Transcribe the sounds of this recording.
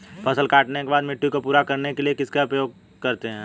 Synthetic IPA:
pʰɐsəlkaːʈnekebaːd̪mɪʈːukopuːɾakɐɾnekeliekɪskaʊpjoːɡ̚ | kɐɾt̪eɦɛ̃ː

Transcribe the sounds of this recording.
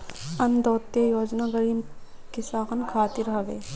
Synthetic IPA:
ɐnd̪oːt̪ejoːd͡ʒnaɡəɾimkisaːkənkʰaːt̪ɪɾɦɐʋeː

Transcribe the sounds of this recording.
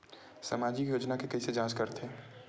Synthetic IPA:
sa̰maːd͡ʒikjoːd͡ʒnakekɐɦised͡ʒãːt͡ʃkɐɾt̪ʰeː

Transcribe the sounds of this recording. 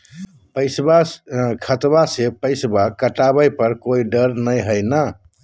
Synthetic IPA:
pəjsbakʰət̪basepəɪsbakəʈabəjpəɾkoiɖəɾnəjɦəjna

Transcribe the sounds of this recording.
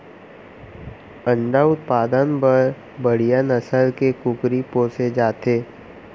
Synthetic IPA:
ə̃ɳɖaʊt̪̚paːd̪ənbəɾ | bəɽ̤ijanəsəlkekʊkɾipoːsed͡ʒaːt̪eː

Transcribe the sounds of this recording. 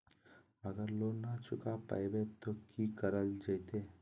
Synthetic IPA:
əɡəɾlonat͡ʃʊkapa̰jbet̪okikəɾəld͡ʒəjt̪e

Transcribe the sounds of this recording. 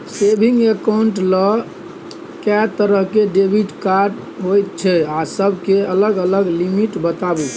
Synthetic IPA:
sebʱiŋɡekauɳʈlɔ | kɛt̪əɾəɦkeɖebʱiʈkaɾɖ | ɦojt̪̚t͡ʃʰɛasəbʱkeələɡələɡlimiʈbət̪abu

